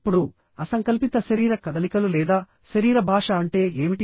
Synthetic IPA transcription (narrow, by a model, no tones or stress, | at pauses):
pːuɽu | ɐsɐŋkɐlpit̪ɐʃɐɾiːɾɐkɐd̪ɐlikɐlulɛːd̪aː | ʃɐɾiːɾɐbʱaːʂɐɐɳʈe̞ːeːmiʈi